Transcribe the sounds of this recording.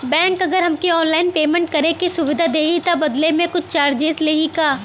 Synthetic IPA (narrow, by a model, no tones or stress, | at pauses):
bɛ̃ːŋkɐɡəɾɦɐmkiɔːnlaːɪnpeːmẽɳʈ̚kɐɾekisʊʋɪd̪ʱad̪eːɦit̪abɐd̪lemẽkʊt͡ʃʰt͡ʃaːɾd͡ʒeːzleːɦikaː